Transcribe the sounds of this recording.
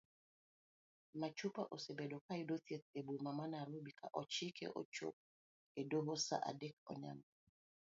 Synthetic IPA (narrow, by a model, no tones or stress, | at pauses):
mat͡ʃupa̰ʔosebɛdokaidotjet̪ebumamanaɾobikʰa̰ʔɔt͡ʃikɛ̰ʔɔ̰t͡ʃo̰p̚ | edoɦosa̰ʔa̰dɛk̚ɔ̰ɲa̰m